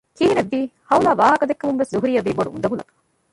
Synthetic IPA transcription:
kiːɦineʋːiːhɐulaːʋaːɦɐkɐd̪ekːɐmumʋeszuɦuɾijːɐʋiːboɖṵʔṵnd̪ɐɡulɐ̰kɐ̥

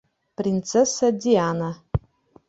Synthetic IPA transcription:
print͡sʰesadiana

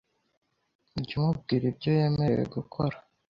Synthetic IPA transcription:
uɟumub̚ɡiːɾibɟoje̞mewḛɡukʰoɾa

